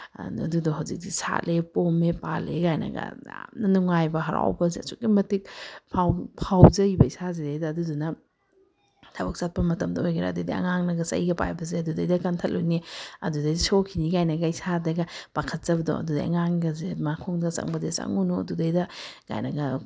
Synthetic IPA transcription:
ɐduduɦawzik̚disa̰lepomepaleɡajnɐ̰ɡɐ̰ja̰mnɐnuŋajbɐɦɐɾa̰wbɐzeɐ̰suk̚ːimɐtik̚pʰawpʰawzɐjbɐisazedɐjdɐːdudunɐ | tʰɐbɐk̚sat̚pɐmɐtɐmdɐojɡɐɾa̰dɐdḭɐ̰ŋaŋnɐɡɐsɐ̰jɡɐpa̰jbɐzeɐdudɐjdɐkantʰɐl̚ojniɐ̰dudɐjdɐsokʰiniɡajnɐɡɐisadɐɡɐpakʰɐt̚zɐbɐdo̰ɐ̰dudɐ̰ɐ̰ŋaŋɡɐzemakʰoŋdɐsɐ̰ŋbɐzesɐ̰ŋunuɐ̰dudɐjdɐɡa̰jnɐɡɐ

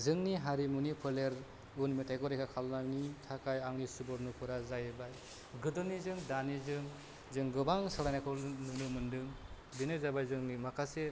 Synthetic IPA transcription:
zɯŋniɦaɾimunipʰɯleɾ | unmitʰajɡɔɾekʰakʰalnanitʰakajaŋnisubɔɾnupʰɯɾazajbaj | ɡɯdɯnizɯŋdanizɯŋ | zɯŋɡɯbaŋsɯɾajnakʰɯnɯnumɯndɯŋ | binɯzabajzɯŋimakʰase

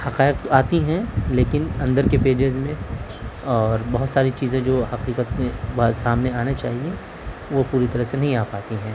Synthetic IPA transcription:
hɐqaːɪq̚t̪oaːt̪iɦɛ̃leːkɪnɐ̃nd̪əɾkepeːd͡ʒɪzmẽ | ɔːɾbɐɦʊt̪saːɾit͡ʃiːzẽd͡ʒoːhɐqiːqət̪mẽʋasaːmneaːnat͡ʃaːɦie | ʋopuːɾit̪ɐɾəɦsenɐɦĩaːpaːt̪iɦɛ̃ː

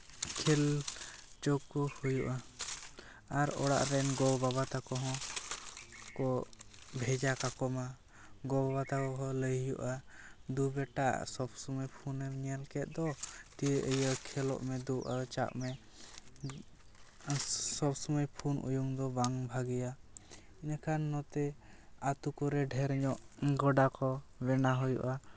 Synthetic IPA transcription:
kʰɛl | t͡ʃɔkːɔhujuʔa | aɾɔ̰ɽa̰ʔɾɛnɡɔbabat̪akɔɦɔ̃ | kɔbʱɛd͡ʒakakɔma | ɡɔbabat̪akɔɦɔ̃ləjjṵʔad̪ubɛʈa̰ʔsɔbsɔməjpʰunɛmnijalkɛt̪̚d̪ɔt̪iəʔəjəkʰɛlɔ̰ʔmɛd̪uʔat͡ʃa̰ʔmɛ | sɔbsɔməjpʰunʔṵjuŋd̪ɔbaŋbʱaɡija | inakʰanːɔt̪ɛ | at̪ukɔɾɛɖʱɛɾɲɔʔɡɔɖakɔbɛnaɦujṵʔa

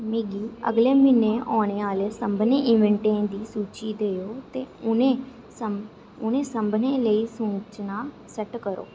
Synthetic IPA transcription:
miːɡiːə̰ɡleːmɪneːɔːɽ̃eːaːleːsəmbneːʔɪ̃nʋəɳʈẽːd̪iːsuːt͡ʃiːd̪eːoːt̪eːʊnẽː | sə | ʊnẽːsəmbneːləiːsʊ̃ːt͡ʃnaː | səʈkəɾo̰ː

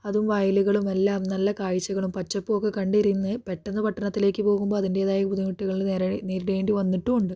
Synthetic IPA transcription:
ɐðumʋɐjluɣɐɭumelːaːmnɐlːɐkaːɻit͡ɕːɐɣɐɭumpɐt͡ɕːɐpːoːkːɨkɐɳɖiɾinːɨpe̞ʈːɐnːɐpɐʈːɐnɐt̪ːile̞ːkʲːɨpo̞ːɣumbo̞ːɐðinde̞ːðaːjɐbud̪imuʈːiɣɐɭilneɾɐneːɾɽe̞ːɳɖiʋɐnːiʈːuuɳɖɨ

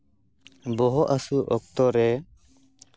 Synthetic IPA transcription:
bɔɦɔʔasuʔɔk̚t̪ɔɾɛ

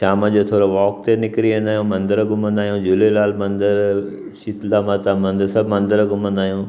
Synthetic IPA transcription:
ʃaːməd͡ʑot̪ʰoːɾoʋɔːk̚t̪enɪkɾiʋẽnd̪aːɦjũmɐ̃nd̪əɾɡʊmə̃nd̪aːijũd͡ʑʊlelaːlmɐ̃nd̪əɾ | ʃit̪lamɐt̪amɐ̃nd̪əɾsɐbmɐ̃nd̪əɾɡʊmə̃nd̪aːijũː

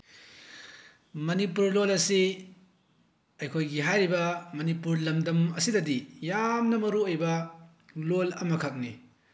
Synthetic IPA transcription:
mɐnipuɾlolɐsi | ɐjkʰojɡiɦajɾibɐmɐnipuɾlɐmdɐmɐsidɐdijamnɐmɐɾuojbɐ | lolɐmɐkʰɐk̚nḭ

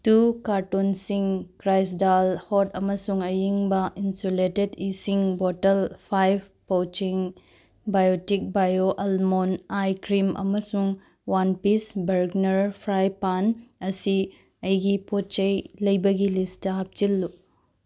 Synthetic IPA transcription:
tukaɾtonsiŋkɾajs̬dalhotɐmɐsuŋɐjiŋbɐʔinsoletedisiŋbotɐlpʰajb | powt͡ʃiŋ | bajotik̚bajoʔɐlmonajkɾimʔɐ̰mɐsuŋ | wanpisbɐɾɡnɐɾpʰɾajpanɐsi | ɐjɡipot͡ʃɐjlɐjbɐɡilistɐɦɐp̚t͡ʃilːu

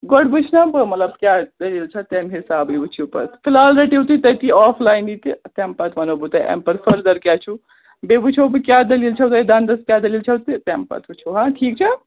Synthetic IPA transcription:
ɡoɽbut͡ʃʰnabəmɐt̪lɐbkʲjad̪ɐlilt͡ʃʰɐt̪emɦisaːbibut͡ʃʰipɐ̰ɾpʰilalɾeʈiwt̪ut̪ɐjt̪iɔpʰlajnit̪it̪ɛmpɐt̪ʋɐnobut̪ɐjʔɛ̰mpɐɾpʰəɾd̪ɐɾkʲat͡ʃʰu | bebut͡ʃʰowpkʲjad̪ɐlilt͡ʃʰɐwt̪ɐjd̪and̪ɐskʲjad̪ɐlilt͡ʃʰɐwt̪t̪ɛmpɐ̰t̪ʰut͡ʃʰoɦãʈʰiːk̚t͡ʃʰɐ

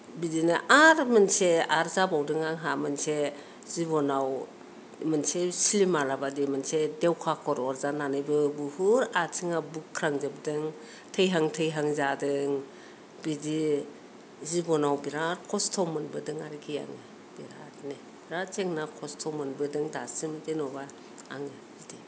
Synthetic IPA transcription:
bidinaʔaɾmɯnseaɾzabawdɯŋaŋɦamɯnse | zibɔnaw | mɯnsesilimalabadimɯnsedewkʰakʰɔɾɔɾzananɯjbɯbuhuɾatʰiŋabukʰːɾaŋzɯb̚dɯŋ | tʰəjɦaŋtʰɯjɦaŋzadɯŋ | bidi | zibɔnawbiɾaɾkʰɔstʰɔmɯnbɯdɯŋaɾɡʰija̰ŋɯ | b̥iɾatni | b̥iɾat͡ʃeŋnakʰɔstʰɔmɯnbɯdɯŋdasɯmdenɔba | aŋe | zidi

